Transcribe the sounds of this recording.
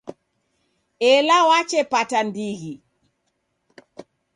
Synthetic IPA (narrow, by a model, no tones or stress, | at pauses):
ɛlawat͡ʃɛpatandiɣi